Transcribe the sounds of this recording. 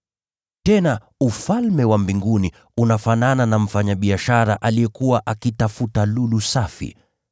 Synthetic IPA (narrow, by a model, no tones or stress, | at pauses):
tɛna | ufalmɛwambiŋɡuni | unafanananam̩faɲaɓiaʃaɾaʔaliɛkuwaʔakitafutalulusafḭ